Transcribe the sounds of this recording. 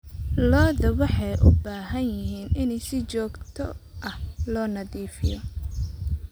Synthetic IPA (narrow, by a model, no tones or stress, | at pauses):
lɔːðɐwɑħɑjʔʊbaːɦɐnjɪɦiːnɪnɛjsɪt͡ʃɔːɡt̪ʰɔ̰ʔɐhlɔːnɐðiːfɪ̰jɔ